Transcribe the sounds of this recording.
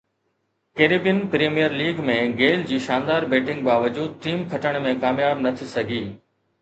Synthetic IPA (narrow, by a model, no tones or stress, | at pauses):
keːɾibijənpɾeːmijəɾliːɡmẽɡeːld͡ʑiːʃaːnd̪aːɾbeːʈɪ̃ŋɡbaːʋəd͡ʑuːd̪̚ʈiːmkʰɐʈəɽ̃mẽkaːmjaːbnɐt̪ʰisɐɡʱiː